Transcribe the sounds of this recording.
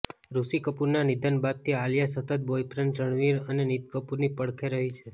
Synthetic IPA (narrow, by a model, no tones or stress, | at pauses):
ɾusikəpuɾnanid̪ənbad̪̚t̪ʰialjasət̪ət̪̚bojpɾənɾəɳʋiɾənenit̪kəpuɾnipəɽkʰeɾəɦit͡ʃʰe